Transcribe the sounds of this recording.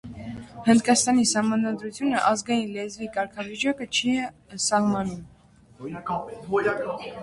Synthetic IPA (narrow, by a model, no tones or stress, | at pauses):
hənd̪kɑst̪ɑnisɑhmɑnɑd̪ɾut͡sʰjunəʔɑzɡɑjinlɛzvikɑɾkʰɑvit͡ʃɑkət͡ʃʰi | sɑhmɑnum